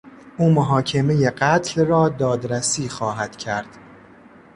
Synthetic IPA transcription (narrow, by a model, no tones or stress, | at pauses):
uːmoɦɒːcʰe̞meje̞ɢæt̪ʰlrɒːd̪ɒːd̪ɾæsiːxɒːɦæd̪̥cʰæɾd̪̥